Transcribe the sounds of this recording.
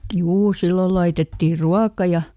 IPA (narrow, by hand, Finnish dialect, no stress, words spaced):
juː silːol lɑitetːiˑ ruɑkɑ jɑ